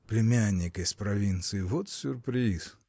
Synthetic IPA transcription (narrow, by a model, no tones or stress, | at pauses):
plʲɪmʲanʲːɪkɐsʲpɾɐvʲint̪sɨɪvɔt̪sʲʊrpɾʲis